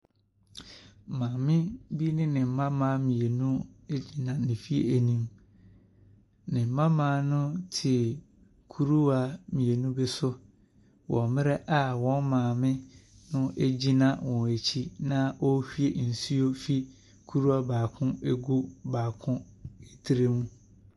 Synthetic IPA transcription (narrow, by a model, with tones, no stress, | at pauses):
mãː˨mɪ̃˦bi˦nɪ̃˦nɪ̃˨m̩˨mã˦mãː˦mĩ˨e˨nũ˦e˦d͡ʑi˦nã˨nɪ̃˨fi˦ḛ˨æ˨nĩ˦m | nɪ̃˨m̩˨mã˦mãː˦nʊ̃˦tʰɪ˨ | kʰu˦ɾu˦a˨mĩ˨e˨nũ˦bɛ˦sʊ˦ | wɔ̃˨mɪ̃˦ɾɛ˦ʔa˦wɔ̃˦nmãː˨mɪ̃˦ | nʊ̃˦ʔe˦d͡ʑi˦nã˦˨wɔ̃˨e˨t͡ɕʰi˦nã˦ʔɔ˦hᶣi˦e˨n̩˨su˦o˦fi˦ | kʰu˦ɾu˦a˦baː˨kʰʊ̃˦e˦ɡu˦baː˨kʰʊ̃˦e˦tʰi˦ɾe˦mũ˦